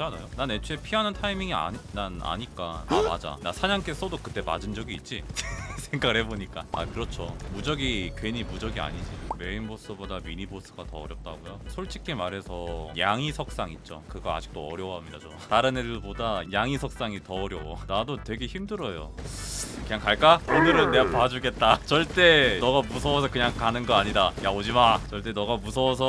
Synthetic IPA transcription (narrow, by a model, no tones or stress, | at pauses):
t͡ɕanajonanet͡ɕʰuepʰiɦanɯntʰaimiŋia̰nana̰ɲik͈aa̰ma̰d͡ʑa̰nasʰaɲaŋk͈es͈ʌdokɯt͈e̞mad͡ʑɯnd͡ʑʌɡiːt̚t͡ɕ͈isʰe̞ŋɡaɡɯɭhe̞boɲik͈aa̰kɯɾʌt͡ɕʰomud͡ʑʌɡikweɲimud͡ʑʌɡia̰ɲid͡ʑime̞inbos͈ʰɯbodamiɲibos͈ʰɯɡatʌʌɾjʌp̚t͈aɡojosʰoɭt͡ɕ͈ikʰemaɾɦe̞sʰʌjaŋisʰʌk̚s͈aŋit̚t͡ɕ͈o̰kɯɡʌa̰d͡ʑi̥k̚t͈oʌ̰ɾjʌwɦamɲida̰t͡ɕo | taɾɯnedobodajaŋisʰʌk̚s͈aŋitʌːɾjʌwonadotwe̞ɡe̞çimdɯɾʌjo̰ | kɯɲaŋkaɭk͈aonɯɾɯnːepad͡ʑuɡe̞t̚t͈at͡ɕʌɭt͈e̞nʌɡamusʰʌwʌs̬ʰʌkɯɲaŋkanɯnɡʌaɲidajaod͡ʑimat͡ɕʌɭt͈e̞nʌɡamusʰʌːs̬ʰʌ